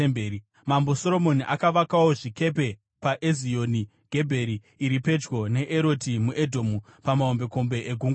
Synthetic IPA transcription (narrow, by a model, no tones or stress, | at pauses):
mbeːi | mambo̞so̞ɾo̞mo̞niʔakaʋakawo̞ʐike̞p̬e̞ | paʔezio̞ni | ɡ̥ʱe̞bʱe̞ɾiː | ɾipe̞d͡ʒɡo̞ne̞ʔeɾo̞timuʔedʱo̞ːmupamaombe̞ko̞mbe̞ʔeɡʱuŋɡ